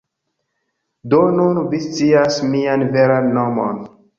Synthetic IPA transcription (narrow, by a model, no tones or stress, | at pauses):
donunvist͡siasmianveɾanːomo̰n